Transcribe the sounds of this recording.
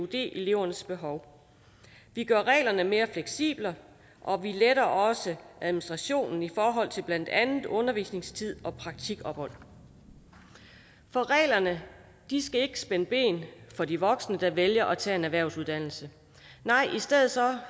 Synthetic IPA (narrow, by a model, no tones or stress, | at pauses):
od̥e̝̰ːʔele̝ʊ̰ɐnəsb̥e̝ɦɒʊ | ʋiɡ̥ɶɐʁɛ̰ːlɐnəme̝ːɐfleɡ̥sḭːb̥lə | ʔɒ̽ʋileɾɐʔɒ̽səʔæðˠminisd̥ʁɑ̈ɕo̝̰ːnn̩ifɒːɦɒ̽l̰t͡sʰeb̥læn̰d̥ænð̩ˠɔ̽nɐʋḭːsne̝ŋst͡sʰið̞̰ˠɒ̽pʰʁɑ̈ɡ̥̚t͡sʰiɡ̥ɒ̽b̥hɒ̽l̰ | fɒ̽ʁɛ̰ːlɐnə | d̥isɡ̥æe̝ɡ̥ə̥sb̥enəb̥e̝̰ːnfɒ̽diʋɒ̽ɡ̥snəd̥ɑ̈ʋeljɐʔɒt͡sʰɛ̰ːe̝næʋæɐ̰ʊsuðˠd̥æn̰l̩sə | nɑ̈ɪ̰ʔisd̥eð̰̩ˠsɒ̽